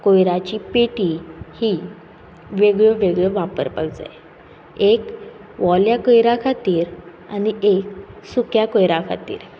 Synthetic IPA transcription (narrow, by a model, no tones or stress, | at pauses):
kojɾat͡ɕiːpeʈiːhiː | ʋeɡɭəʋeɡɭəʋapə̰ɾpə̰ɡd͡za̰j | ek | ʋɔljakojɾakʰat̪iːɾ | anieksukjakojɾakʰa̰t̪ḭːɾ